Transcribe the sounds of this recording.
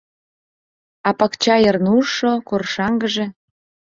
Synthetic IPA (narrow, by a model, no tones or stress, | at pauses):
ɑpɑkt͡ɕɑjərnuʃokorʃɑŋɡəʒĕ